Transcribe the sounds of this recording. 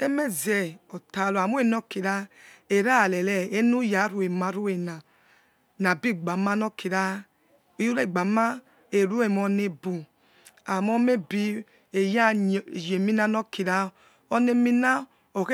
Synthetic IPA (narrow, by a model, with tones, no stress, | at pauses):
e˦me˦zɛ˨ɔ˨ta˨lo˨a˨mu˦e˦˨no˦ki˨ɾa˦e˨ɾa˦˨lɛ˨lɛ˨e˦nu˦ja˨˦ɾu˨e˨ma˨˦ɾu˦e˨na˨ | na˨bi˦˨ɡ͡ba˨ma˦no˦ki˨ɾa˦˨˦ | u˦ɾe˦˨ɡ͡ba˨ma˦ | e˨ɾu˦e˨mɔ˧ne˦bu˨ | a˨mo˦me˦bi˦ | e˨ja˦˨je˨mi˦na˦no˦ki˨ɾa˦ | o˦ne˦mi˦na˦ | o˨k